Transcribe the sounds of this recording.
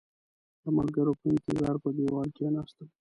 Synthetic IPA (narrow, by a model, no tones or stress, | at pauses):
d̪əmalɡəɾopəɪnt̪ɪzɑɾpəd̪ewɑlkenɑst̪əl